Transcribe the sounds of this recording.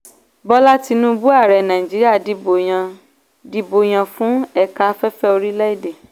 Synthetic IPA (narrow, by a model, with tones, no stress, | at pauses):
bɔ˦la˦ti˧nũ˦bu˦a˦˨ɾɛ˨nã˨ĩ˨d͡ʒi˨˦ɾi˦a˦˨di˨˦bo˨ã˧ | di˦bo˧j̃ã˧fũ˦ɛ˦ka˧fɛ˦fɛ˦o˧ɾi˦lɛ˦i˦˨de˨